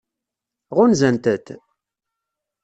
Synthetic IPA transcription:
ʁʊnzænt̪ət̪

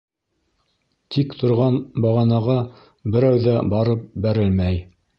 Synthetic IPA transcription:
t̪ʰikt̪ʰŏɾʁɑnbɑʁɑnɑʁɑ | bɘ̆ɾæwðæbɑɾɤp̚bæɾɘlmæj

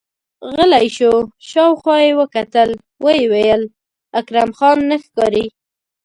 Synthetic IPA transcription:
ɣəlajʃoʃɑwxwɑjewəkat̪əl | wəjewejəl | akɾamxɑnːəxkɑɾi

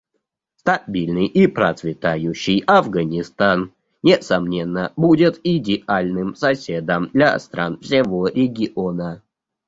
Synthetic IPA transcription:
st̪ɐbʲilʲnɨjʔipɾət̪svʲɪt̪ajʉɕːɪjɐvɡənʲɪst̪an | nʲɪsɐmnʲenːəbudʲɪt̪ɪdʲɪalʲnɨmsɐsʲed̪əmd̪lʲa̰st̪ɾa̰nfsʲɪvoɾʲɪɡʲɪʔonə

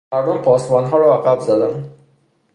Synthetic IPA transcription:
aɾd̪ʊmpɔsmɔnɦɔɾɔaqabzad̪an

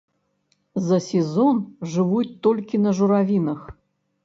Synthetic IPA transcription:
zɐsʲɛzɔnʐɨvut͡sʲt̪ɔlʲkʲinɐʐuɾavʲinɐx

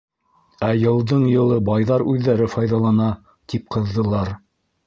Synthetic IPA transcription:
æjɤ̆lˠd̪ɤɴjɤ̆lˠɤbɑjðɑɾʉðːæɾɘfɑjðɑlˠɑnɑ | t̪ip̚qʰɤ̆ðːɤ̆lˠɑɾ

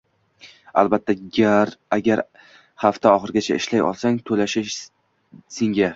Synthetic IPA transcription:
a̰lbat̪ʰːaɡʲaɾaɡʲaɾ | haft̪aɒχɨɾɡʲat͡ʃʰaɪʃlajɒ̰lˠsaŋt̪ʰolaʃɪʃ | sɪŋɡʲa

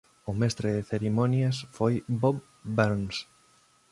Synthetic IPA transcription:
ʊmɛst̪ɾeðɪθeɾimɔnjasfojbob | beɾns

